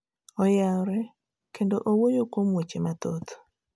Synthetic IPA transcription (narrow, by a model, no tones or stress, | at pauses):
ɔjaɔɾɛ | kendoʔowojokwomwet͡ʃemat̪ot̪